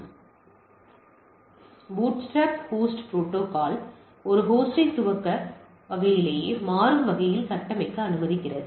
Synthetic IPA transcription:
buːʈsʈaːphoːsʈpɾoːʈːoːkaːl | ɔɾɯɦoːsʈɐɪsʊʋɐkːɐ | ɐʋɐjɪleːjeːmaːɾɯmʋɐɣɐjɪlsɐʈːɐmɐɪkːɯɐnɯmɐðɪkːɪrɐðɯ

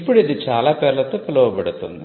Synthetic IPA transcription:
pːuɽid̪it͡ʃaːlaːpɛːɾlɐt̪oːpɐlɐʋɐpɐɽut̪und̪i

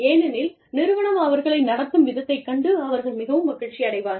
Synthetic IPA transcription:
eːnɐnɪl | nɪɾɯʋɐɳɐmɐʋɐɾɣɐɭɐɪnɐɽɐt̪ːɯmʋɪðɐt̪ːɐɪkːɐɳɖɯɐʋɐɾɣɐɭmɪɣɐʋɯmːɐɣɐɭt͡ʃːiɐɽɐɪʋaːɾ

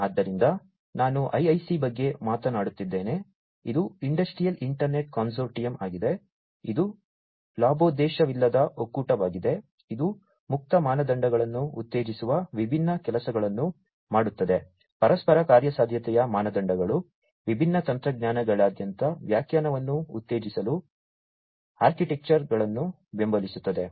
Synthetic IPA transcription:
ad̪ːɐɾind̪ɐ | naːnuʔɐjɐjsibɐɡːe̞maːt̪ɐnaːɽut̪ːid̪ːe̞ːne̞ | id̪uiɳɖɐsʈɾijɐliɳʈɐɾne̞ʈ̚koːns̬oːɾʈijɐma̰ːɡid̪e̞ | id̪u | laːbo̞ːd̪ɛːʃɐʋilːɐd̪ɐʔokuːʈɐʋaːɡid̪e̞ | id̪u | muk̚t̪ɐmaːnɐd̪ɐɳɖɐɡɐɭɐnːuut̪ːe̞ːd͡ʒisuʋɐʋibʱinːɐkɛlɐsɐɡɐɭɐnːu | maːɽut̪ːɐd̪e̞ | pɐɾɐspɐɾɐkaːɾjɐsaːd̪ʱjɐt̪ɛjɐmaːnɐd̪ɐɳɖɐɡɐɭu | ʋibʱinːɐt̪ɐnt̪ɾɐɡɲaːnɐɡɐɭaːd̪jɐnt̪ɐʋjaːkjaːnɐʋɐnːuːt̪ːe̞ːd͡ʒisɐlu | aːɾkiʈek̚t͡ʃɐɾɡɐɭɐnːu | bembɐlisut̪ːɐd̪e̞

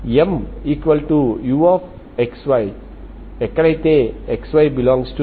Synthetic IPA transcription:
jɛ̃mikwəltujuɔf | ɛkswaj | ɛkɾajt̪eɛkswajbilɔ̃ŋstu

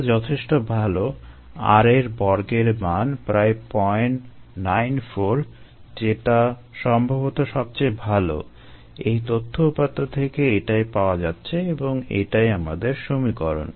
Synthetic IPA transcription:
d͡ʑɔt̪ʰeʃʈobʱalo | a̰ɾeɾbɔɾɡeɾmanpɾaepɔjeɳːajnfoɾ | d͡ʑeʈa | ʃɔmbʱabot̪oʃɔb̚t͡ɕajbʱalo̰ | ejt̪ot̪ʰːoupat̪ːot̪ʰekeeʈajpaoad͡ʑatːɕʰeeboŋḛʈajamad̪eɾʃomikɔɾo̰n

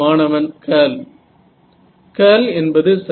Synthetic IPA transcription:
aːnɐʋɐnkʰɐːl | keːlɛnbɐðɯsɐ

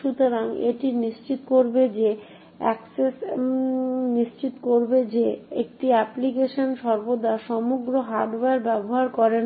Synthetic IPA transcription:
ʃut̪oɾaŋḛʈiniʃt͡ɕit̪okoɾbed͡ʑe | ɛ̰kses | niʃt͡ɕit̪koɾbed͡ʑeek̚ʈiɛplikeʃonʃɔɾbod̪aʃɔmuɡɾoɦaɾɖbeɾbɛboɦaɾkɔɾen

